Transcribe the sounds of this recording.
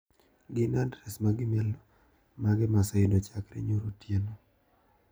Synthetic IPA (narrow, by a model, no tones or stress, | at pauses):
ɡɪnadɾɛsmaɡɪmɛlɔ | maɡɪmasɔɪdot͡ʃakɾḛɲoɾotjeno